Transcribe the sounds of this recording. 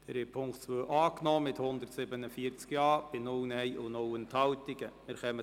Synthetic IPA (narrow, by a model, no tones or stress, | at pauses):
d̥ɛɾɪpʰʊŋkt͡sʋøːʔɑːknɔːmɪthʊnd̪əɾtsɪbənəfiːɾt͡skjɑːb̥ɪnʊlnɛɪʔʊnowənthɑwtɪɡ̥əmɪɾχɛmə